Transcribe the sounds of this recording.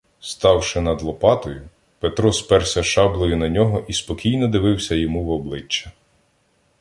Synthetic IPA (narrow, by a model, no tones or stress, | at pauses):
st̪ɑwʃɪnɐd̪lˠɔpɑt̪ɔjʊ | pet̪ɾɔspɛrsʲɐʃɑblˠɔjʊnɐnʲɔɦɔʔispɔkʲijnɔd̪ɪʋɪwsʲɐjɔmuwɔblˠɪt͡ʃːɐ̥